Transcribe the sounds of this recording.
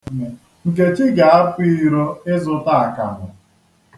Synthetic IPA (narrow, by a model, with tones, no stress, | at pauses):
me˨ | ŋ̩˨k̬e˨t͡ʃi˦ɡa˨˦a˦fʷi˦ɾo˦ɪ˦zʊ˦ta˦a˨ka̰˨ɦʊ˨